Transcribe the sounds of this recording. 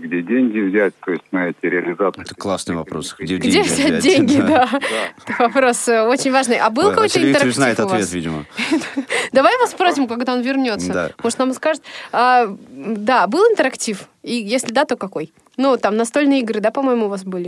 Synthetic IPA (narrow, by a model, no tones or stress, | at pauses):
ɡdʲedʲenʲɡʲɪvzʲæt̚ʲt̪ojɪsʲtʲnɐɛtʲɪɾʲɪɐlʲɪzat̪ɨt̪əklˠasnɨvɐ̰pɾo̰sɡdʲedɡdʲevzʲat̚ʲdʲenʲɡʲɪd̪at̪əvɐpɾo̞so̞t͡ɕɪnʲvaʐnɨjʔɐbɨlˠkɐkojt̪əɪnt̪əɾakznaɪft̪ɐʊvavet̪vʲidʲɪmə̰ | d̪ɐvajvaspɾosʲɪmkɐɡd̪aonvʲɪrnʲo̞t̪sːə̰moʐ̥ɨt̪namskaʐɨt̪̚ʲa | d̪abɨlˠɪnt̪əɾɐktʲif | ijesʲlʲɪd̪at̪o̞kɐko̞j | nut̪amnɐst̪o̞lʲnɨjəɪɡɾɨd̪apɐmo̞jɪmʊːvas̬bɨlʲɪ